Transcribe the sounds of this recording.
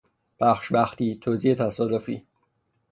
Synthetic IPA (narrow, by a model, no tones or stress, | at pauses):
b̥æxʃbæxt̪it̪ʰoziet̪ʰæsɔːd̪ofḭ